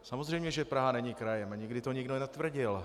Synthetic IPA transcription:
samozrɛjmɲɛʒɛpɾaɦanɛɲikɾajɛmaɲɪɡdɪt̪oɲɪɡdonat̪vr̩ɟɪl

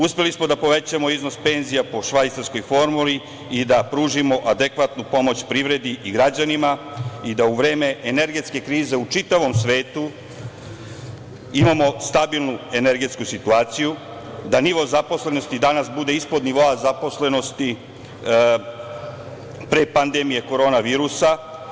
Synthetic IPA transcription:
uspe̞lismo̞d̪apo̞ʋe̞t͡ɕamo̞izno̞spe̞nzijapo̞ʃʋajt̪saɾsko̞jfo̞ɾmuli | id̪apɾuːʒimo̞ʔad̪ekʋat̪nupo̞mo̞t͡ɕpɾiʋɾe̞d̪iʔiɡɾad͡ʑanimaid̪auʋɾe̞ːme̞ʔene̞ɾɡe̞t̪ske̞kɾiːze̞ut͡ʃit̪aʋo̞msʋe̞ːt̪u | imamo̞st̪abilˠnue̞ne̞ɾɡe̞t̪skusit̪uaːt̪siju | d̪aniʋo̞zapo̞sle̞no̞st̪id̪anasbud̪e̞ispo̞d̪niʋo̞azapo̞sle̞no̞st̪i | pɾe̞pand̪e̞mije̞ko̞ɾo̞ːnaʋiːɾusa

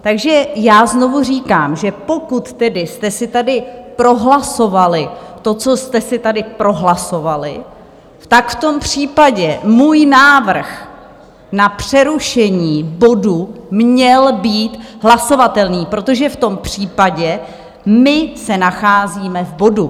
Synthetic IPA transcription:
t̪aɡʒɛjaːzno̞vur̝iːkaːmʒɛpo̞kut̪t̪ɛdɪst̪ɛsɪt̪adɪpɾo̞ɦlaso̞valɪt̪o̞t͡so̞st̪ɛsɪt̪adɪpɾo̞ɦlaso̞valɪ̰ | t̪akft̪o̞mpr̥iːpaɟɛmuːjnaːvr̩x | napr̝̥ɛɾuʃɛɲiːbo̞dumɲɛlbiːt̪ɦlaso̞vat̪ɛlniːpɾo̞t̪o̞ʒɛft̪o̞mpr̝̥iːpaɟɛ | mɪsɛnaxaːziːmɛvbo̞du

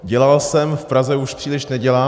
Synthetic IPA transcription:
ɟɛlalsɛmfpɾazɛuʃpr̝̥iːlɪʃnɛɟɛlaː

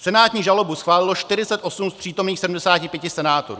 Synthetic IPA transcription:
sɛnaːt̪ɲiːʒalo̞busxvaːlɪlo̞ʃt̪ɪɾɪt͡sɛt̪ʔo̞sumspr̥iːt̪o̞mniːxsɛdm̩dɛsaːcɪpjɛcɪsɛnaːt̪oɾṵː

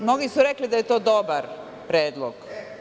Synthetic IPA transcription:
mno̞ɡisuɾeklid̪ajet̪o̞ːd̪o̞baɾ | pɾeːd̪lˠo̰ɡ

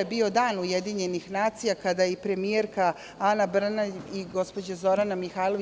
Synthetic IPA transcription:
jebio̞d̪aːnujed̪iɲe̞nixnaːt̪sijakad̪ajeipɾe̞mijeɾka | anabr̩naiɡo̞spo̞d͡ʑazo̞ɾanamixaːjlˠoʋi

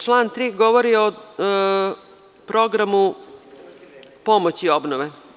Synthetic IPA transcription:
t͡ʃlˠaːnt̪ɾiːɡoʋoɾio | pɾo̞ɡɾamu | po̞mot͡ɕiobnoʋe

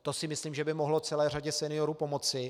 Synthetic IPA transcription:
t̪o̞sɪmɪsliːmʒɛbɪmoɦlot͡sɛlɛːr̝aɟɛsɛnɪjoɾupo̞mo̞t͡sɪ

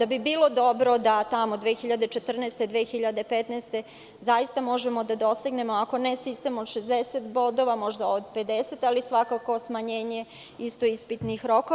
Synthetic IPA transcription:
d̪abibiːlˠo̞d̪o̞bɾo̞d̪at̪amod̪ʋexiʎad̪e̞t͡ʃe̞t̪r̩nɛːst̪ed̪ʋeːxiʎad̪e̞pet̪nɛːst̪e̞ | zajist̪amo̞ʒemo̞d̪ad̪o̞st̪iɡne̞moako̞nesist̪emod̪ʃezd̪eset̪bo̞d̪oʋamo̞ʒd̪aod̪pe̞d̪eset̪alisʋakako̞smaɲeːɲe | ist̪oispit̪nixɾo̞ko

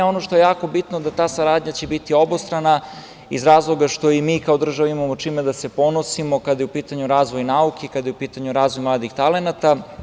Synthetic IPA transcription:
o̞no̞ʃt̪oje̞jaːko̞bit̪nod̪at̪aːsaɾaːd̪ɲat͡ɕe̞bit̪iobost̪ɾana | izɾaːzlˠo̞ɡaʃt̪o̞imiːkaod̪r̩ʒaʋaimamo̞t͡ʃiːmed̪ase̞po̞no̞simo̞kad̪ajeupiːt̪aɲuɾaːzʋo̞jnaukʰekad̪jeupiːt̪aɲuɾaːzʋojmlˠaːd̪ixt̪ale̞nat̪a

